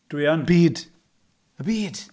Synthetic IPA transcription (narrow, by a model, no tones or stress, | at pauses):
d̥wiɔnbiːd | əbiːd̥